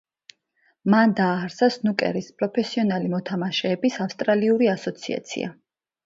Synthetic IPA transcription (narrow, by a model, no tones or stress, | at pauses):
mand̪aːɾsasnukʼɛ̰ɾispʼɾɔpʰɛsiɔnalimɔt̪ʰamaʃɛːbisafst̪ʼɾaliuɾiasɔt̪sʰḭa̰t̪sʰḭa̰